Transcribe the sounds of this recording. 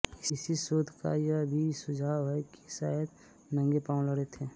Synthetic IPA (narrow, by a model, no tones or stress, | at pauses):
ɪsɪsisoːd̪ʱka̰jabʱisʊd͡ʒʱaːɦeki̥saːd̪ | nə̃ŋɡepãːləɽet̪ʰeː